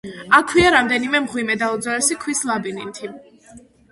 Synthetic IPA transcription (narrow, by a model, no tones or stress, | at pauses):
akʰwiaɾamd̪ɛnimɛmʁwimɛd̪aud̪zalɛsikʰwislˠabinint̪ʰi